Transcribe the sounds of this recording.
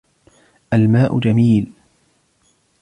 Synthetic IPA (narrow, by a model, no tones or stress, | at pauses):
ʔalmaːʔʊ̰d͡ʒamiːl